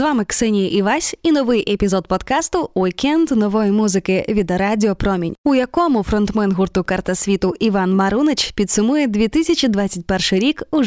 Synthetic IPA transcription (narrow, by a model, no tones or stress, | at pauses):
zʋɑmɪksɛnʲijiʔiʋasʲinɔʋɪjʔepʲizɔd̪pɔd̪kɑst̪ʊwikɛnd̪nɔʋɔjimuzɪkɪʋʲid̪ɐɾadʲɪɔpɾɔmʲinʲʊjɐkɔmʊfɾɔnt̪mɛnɦurt̪ʊkɐrt̪ɐsʲʋʲit̪ʊiʋɑnmɐɾunet͡ʃpʲid̪sʊmujɛd̪ʲʋʲit̪ɪsʲɐt͡ʃʲid̪ʋat͡sʲːɐt̚ʲpɛrʃɪɾʲiku